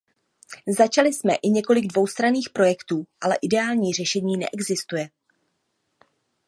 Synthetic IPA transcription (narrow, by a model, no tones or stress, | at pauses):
zat͡ʃalɪsmɛʔɪɲɛko̞lɪɡdvo̞wst̪ɾaniːxpɾo̞jɛkt̪uːʔalɛʔɪdɛaːlɲiːr̝ɛʃɛɲiːnɛ̰ʔɛɡzɪst̪ujɛ